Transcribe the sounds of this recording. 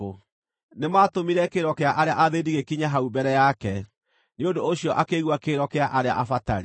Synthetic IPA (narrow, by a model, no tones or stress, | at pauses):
o | nemaːtomiɾɛkeɾɔkeaʔaɾeaʔaðediɣekiɲaɦaubɛɾɛjakɛ | neondoːɕiɔʔakeɣwakeɾɔkeaʔaɾea̰ʔafataɾi